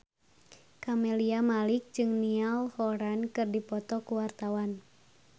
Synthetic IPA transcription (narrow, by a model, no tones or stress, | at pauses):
kameliamalɪk̚d͡ʒɨŋnialhɔɾankɨrdipɔt̪ɔkuwart̪awan